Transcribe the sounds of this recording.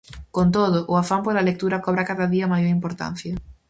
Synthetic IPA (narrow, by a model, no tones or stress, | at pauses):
kont̪oðʊʔʊafampolalek̚t̪uɾɐkoβɾakaðaðiɐmajoɾimpoɾt̪a̰n̟θjɐ